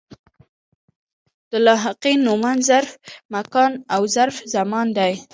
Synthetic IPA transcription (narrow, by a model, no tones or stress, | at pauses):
d̪̥əlɑɦɪqinːumanzaɾfmakɑnawzaɾfzamɑnd̪aj